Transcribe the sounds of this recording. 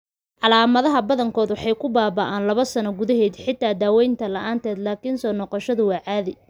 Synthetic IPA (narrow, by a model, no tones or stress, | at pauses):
ʕɑlaːmɐðɐɦɐbɐðɐŋkʰɔːd̪wɑħɑjkʰʊbaːbɐʔaːnlɐβɐsɐnɔɡʊðɐɦɛːd̪ħɪt̪ʰːaːd̪aːwɛjnt̪ʰɐlɐʔaːnt̪ʰɛːd̪laːkʰinsɔːnɔːqɔʃɐðʊwaːʕaːðɪj